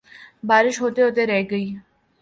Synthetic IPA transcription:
baːɾɪʃɦoːt̪eɦʊt̪eɾɛɦɡəiː

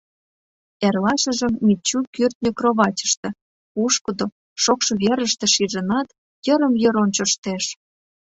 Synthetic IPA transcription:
ærlɑʃə̆ʒə̆mːit͡ɕːukyrt̪̚nʲəkroβɑt͡ɕə̥ʃt̪ĕ | puʃkəd̪o | ʃokʃɤ̆βeɾə̆ʃt̪ĕʃiʒə̆nɑt̪ | jə̆ɾə̆mjɤ̆ɾont͡ɕŏʃt̪eʃ

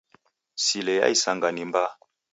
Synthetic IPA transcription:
silɛja̰isaŋɡanimba

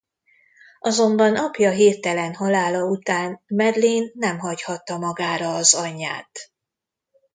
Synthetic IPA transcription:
ʔɒzo̞mbɒnɒpjɒɦiːrt̪ɛlɛnɦɒlaːlɒut̪aːnmɛd̪leːnːɛmɦɒchɒt̪ːɒmɒɡaːɾɒːzɒɲːa̰ːt̪

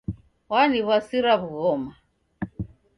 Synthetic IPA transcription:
waniβasiɾaβuɣɔma

